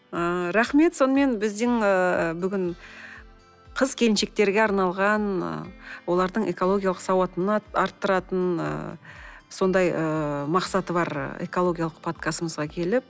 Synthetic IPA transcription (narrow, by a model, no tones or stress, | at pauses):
əɾæχme̞t̪so̞nəme̞nbɪzd̪ɪŋəbʏɡʲɪɴ | qʰəzkʲʰe̞lɪnʃek̚t̪e̞ɾɡʲeɑɾnɑlˠʁɑn̰ | wo̞lˠɑɾd̪əɴekolˠo̞ɡʲijalˠəqsɑwɑt̪ənɑɾt̪ːəɾɑt̪ənə̰ | so̞nd̪ɑjəmɑqsɑt̪əbɑɾ̰ḛko̞lˠo̞ɡʲijalˠəq̚pʰot̪̚kɑsəməzʁɑkʲʰe̞lɪp̚